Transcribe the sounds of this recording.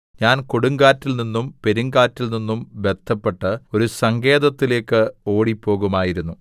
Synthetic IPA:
ɲaːnkoɽuŋɡaːtːilninːumpe̞ɾuŋɡaːtːilninːumʋe̞d̪̥ʰʱːɐpːe̞ʈːɨo̞ɾusɐŋɡe̞ːðɐt̪ːile̞ːkːɨo̞ːɽipːo̞ːɣumaːjiɾunːu

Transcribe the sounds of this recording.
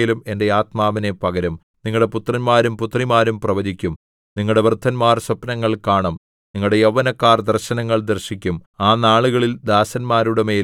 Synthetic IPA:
lume̞nde̞aːt̪maːʋɐne̞pɐɣɐɾɐm | niŋːɐɽe̞put̪rɐnmaːɾumput̪ːrimaːɾumprɐʋɐd͡ʑikʲːum | niŋːɐɭɽe̞ʋrd̪ʱːɐnmaːrsɐpnɐŋːɐɭkaːɳɐm | niŋːɐɭɽe̞jɐʋɐnɐkːaːrd̪ɐrɕɐnɐŋːɐɭd̪ɐrɕikʲːumaːnaːɭuɣɐɭild̪aːsɐnmaːɾuɽeme̞ː

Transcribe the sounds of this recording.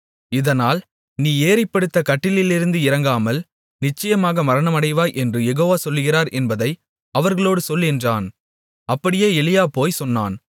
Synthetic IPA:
ɪðɐnaːl | niːeːɾɐɪpːɐɽɯt̪ːɐkɐʈːɪlɪlɪɾɯnd̪ɯɪɾɐŋɡaːmɐl | nɪt͡ʃːɐjɐmaːɣɐmɐɾɐɳɐmɐɽɐɪʋaːʔɛndrɯjɛɣoːʋaːsɔlːɯɣɪɾaːɾʔɛnbɐðɐɪ | ɐʋɐɾɣɐɭoːɽɯsɔlːɛndraːn | ɐpːɐɽɪjeːɛlɪjaːpoːjsɔnːa̰ːn

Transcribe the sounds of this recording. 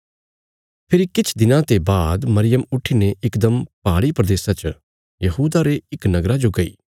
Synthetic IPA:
pʰɪɾikɪt͡ʃʰd̪ɪnãt̪ebaːd̪mɐɾɪjəmʊʈʰːineʔɪkd̪əmpaːɽipɾɐd̪eːsat͡ʃ | jɐɦuːd̪aɾeɪknɐɡɾad͡ʒoɡɐḭː

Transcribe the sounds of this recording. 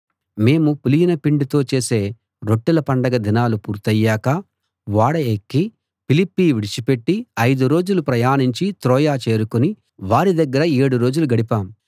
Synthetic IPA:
me̞ːmupulijinɐpiɳɖit̪o̞ːt͡ʃe̞ːse̞ː | ɾo̞ʈːilɐpɐɳɖɐɡɐd̪inaːlupṵːɾt̪ɐjːaːkɐ | ʋaːɽɐekːi | pilipːiːʋiɽit͡ʃipe̞ʈːiɐjd̪uɾo̞ːd͡ʒulupɾɐjaːniɲt͡ʃit̪ɾɔːjaːt͡ʃe̞ːɾukuni | ʋaːɾid̪ɐɡːɐɾɐeːɽuɾo̞ːd͡ʒuluɡɐɽipaːmu

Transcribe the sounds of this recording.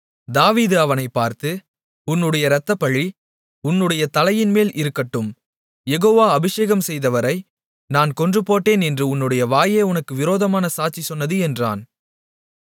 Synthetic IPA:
d̪aːʋiːðɯɐʋɐnɐɪpːaːɾt̪ɯ | ʊnːɯɽɐjɐɾɐt̪ːɐpːɐɭːi | ʊnːɯɽɐjɐt̪ɐlɐjɪnmeːlʔɪɾɯkːɐʈːɯm | jɛɣoːʋaːɐbɪʂeːɣɐmsɛjðɐʋɐɾɐɪ | naːnkɔndrɯpoːʈːeːnɛndrɯʊnːɯɽɐjɐʋaːjeːʊnɐkːɯʋɪɾoːðɐmaːnɐsaːʈ̚t͡ʃisɔnːɐðɯɛndra̰ːn

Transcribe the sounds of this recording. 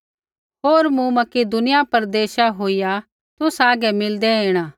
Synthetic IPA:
ɦoːɾmũmɐked̪ʊnɪjapɐɾd̪eːʃaɦoːija | t̪ʊsaːɡɛmɪld̪ɛeːɽ̃ãː

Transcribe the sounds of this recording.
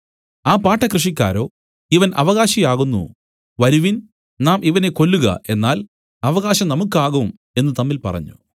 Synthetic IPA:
aːpaːʈːɐkrɨʂ̬ik̬ʲːa̰ːɾo̞ː | iʋɐnʔɐ̰ʋɐɣaːɕijaːɣunːṵ | ʋɐɾuʋin | naːmʔiʋɐne̞ko̞lːuɣɐ̰ʔe̞nːaːl | ɐʋɐɣaːɕɐmnɐmukːaːɣɐʋm | e̞nːɨt̪ɐmːilpɐ̰rɐ̰ɲːṵ

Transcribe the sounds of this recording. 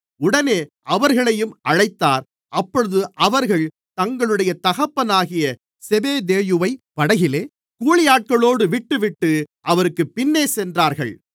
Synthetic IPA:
ʊɽɐneːʔɐʋɐɾɣɐɭɐjɯmʔɐɻɐɪt̪ːaːɾ | ʔɐpːɔɻɯðɯʔɐʋɐɾɣɐɭ | t̪ɐŋɡɐɭɯɽɐjɐt̪ɐɣɐpːɐnaːɣɪjɐ | sɛbeːd̪eːjɯʋɐɪpɐɽɐɣɪleː | kuːɭɪjaːʈ̚kɐɭoːɽɯʋɪʈːɯʋɪʈːɯʔɐʋɐɾɯkːɯpːɪnːeːsɛndraːɾɣɐ̰ɭ

